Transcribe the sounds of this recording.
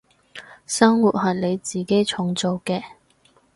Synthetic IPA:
sɐ˥ŋwuː˨t̚ɦɐ˨˩le˨˧jt͡siː˨˩ke˥jt͡ʃʰʊ˨˧ŋt͡so˨˩wkɛː˧

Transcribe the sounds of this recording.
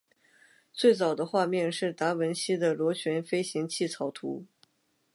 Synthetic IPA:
t͡swe˥˩ɪt͡sɑ˨˩ʊd̪ə˦xwa˥˧mjɛ˥˧nʂɻ̩˥˩t̪a˧˥wə˧˥nɕi˥d̪ə˨lwɔ˧˥t͡ɕʰɥɛ˧˥nfe˥ɪɕi˧˥ŋt͡ɕʰi˥˩t͡sʰɑ˧˥ʊt̪ʰṵ˧˥

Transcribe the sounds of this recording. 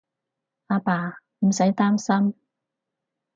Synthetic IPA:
ʔaː˧paː˨˩ | m̩˨˩sɐ˨˥jt̪aː˥msɐ˥m

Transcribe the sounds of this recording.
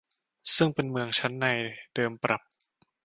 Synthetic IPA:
sɯ˥˩ŋpe˧nmɯ˧əŋt͡ɕʰa˦˥nːa˧jd̥ɤː˧mpɾʔa˨˩p̚

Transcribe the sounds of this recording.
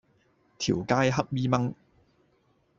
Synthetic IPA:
t̪ʰiː˨˩wkaː˥jɦɐ˥p̚miː˥mɐ˥ŋ

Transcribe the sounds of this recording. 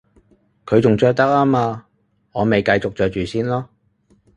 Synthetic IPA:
kʰɵ˨˧ɥt͡sʊ˨ŋt͡ʃɔː˧jt̪ɐ˥k̚aː˥maː˧ | ŋɔː˨˧me˨jkɐ˧jt͡sʊ˨k̚t͡ʃœː˨t͡ʃyː˨siː˥nlɔː˥

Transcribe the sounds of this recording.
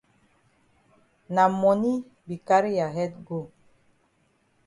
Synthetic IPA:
na˨mɔ˨ni˦ | bi˨ka˦ɾi˦ja˨ɦɛ˦t̚ɡo˦˨

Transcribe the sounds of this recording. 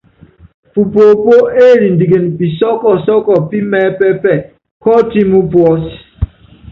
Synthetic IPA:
fu˨po˨po˦e˦˨ɾi˨ndi˨ɡe˨npi˨sɔ˦kɔ˨sɔ˦kɔ˨pi˦mɛ˦pɛ˦pɛ˦˨ | kɔ˦ti˦mu˦pwɔ˦s

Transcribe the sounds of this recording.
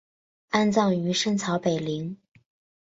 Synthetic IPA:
a˥˧nt͡sɑ˥˩ʊy˧˥ʂə˥ŋt͡sʰɑ˧˥ʊpe˨˩ɪli˧˥ŋ

